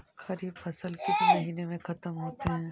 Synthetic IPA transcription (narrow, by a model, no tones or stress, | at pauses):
xɐɾiːbfɐsəlkɪsmɐɦiːnemẽxɐt̪əmɦoːt̪eɦɛ̃ː